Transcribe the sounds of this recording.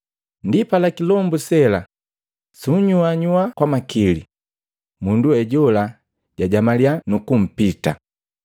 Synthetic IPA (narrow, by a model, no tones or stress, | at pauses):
ndipalakilɔmbusɛla | suɲuaɲuakwamakili | munduɛɟɔla | ɟaɟamalianukum̩pita